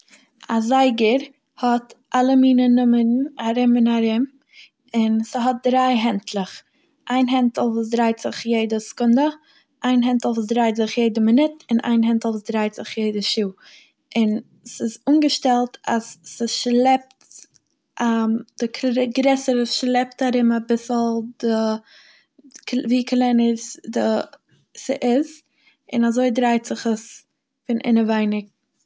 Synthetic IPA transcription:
azaɪɡəɾ | hɔtʔalˠəmiːnənʊmənaɾɪmɪnaɾɪm | ɪnsəɦɔt̚dɾaɪɦɛntʰlˠəχ | ʔaɪnɦɛntl̩ˠvuːs̬dɾaɪtz̥ɪχjeɪdəskʊndə | ʔaɪnɦɛntl̩ˠvuːsdɾaɪtzɪχjeɪdəmɪnɪtɪnʔa̰ɪnɦɛntl̩ˠvuːsdɾaɪtz̥ɪχjeɪdəʃuː | ɪn | sɪzuːnɡəʃtɛlˠtʰasːɪʃlˠɛp̚t | ʔad̥ɪkʰɡɾɛsəɾəʃlˠɛptaɾɪmabɪsl̩ˠdɪ | viːklˠɛnəsdɪ | sɪʔɪz | ɪnazoɪdɾaɪtz̥ɪχəs | fɪnʔɪ̰nəvaɪnɪk̚

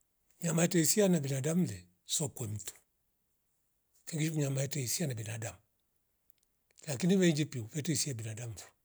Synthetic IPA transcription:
ɲamaɛtɛisianabɛnadam̩lɛ | sɔkwɛm̩tu̥ | kɛŋɡiʃikuɲamaɛtɛisianabɛnadamu | lakiniβɛɲd͡ʒipiuvɛtɛisiabinadam̩vu̥

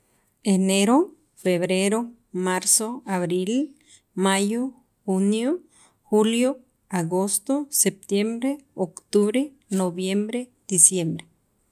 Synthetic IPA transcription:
eneɾo | feβɾeɾo | maɾsoaβɾil | majo | xunjo | huljo | aɡost̪osep̚t̪jembɾeokt̪uβɾe | noβjembɾed̪̥isjembɾe

